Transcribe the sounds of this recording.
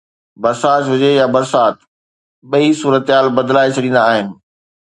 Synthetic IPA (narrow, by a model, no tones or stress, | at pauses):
bɐɾsaːtʋɪd͡ʑejabɐɾsaːt̪ | ɓɐisuːɾət̪ɪɦaːlbɐd̪laːet͡ɕʰɐɗĩːnd̪aːɦɪnɪ̆